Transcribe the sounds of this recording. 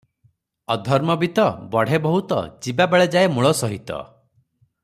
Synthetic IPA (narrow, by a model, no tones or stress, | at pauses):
ɔd̪ʱɔɾmɔbit̪ɔbɔɽ̤ebɔɦut̪ɔ̰d͡ʒibabeɭed͡ʒaemuɭɔsɔɦit̪ɔ̰